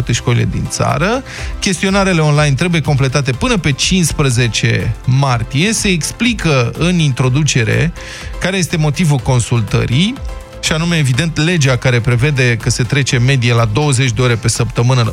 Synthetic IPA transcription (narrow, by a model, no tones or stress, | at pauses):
t̪eʃko̞lḭle̞̰d̪ḭnt̪sa̰ɾə | kʲe̞st̪io̞naɾele̞o̞nlajnt̪ɾe̞buje̞ko̞mple̞t̪at̪e̞pɨnəpe̞t͡ʃinspɾəze̞t͡ʃe̞̰mart̪ije̞se̞ːksplikəɨnint̪ɾo̞d̪ut͡ʃe̞ɾe̞̰ | kaɾeje̞st̪e̞mo̞t̪ivulko̞nsult̪ə̰ɾij | ʃianume̞ːvid̪e̞nt̪le̞d͡ʒeakaɾe̞pɾe̞ve̞d̪e̞kəse̞t̪ɾe̞t͡ʃe̞me̞d̪ialad̪o̞wəze̞t͡ʃʲd̪e̞o̞ɾe̞pe̞səpt̪əmɨnə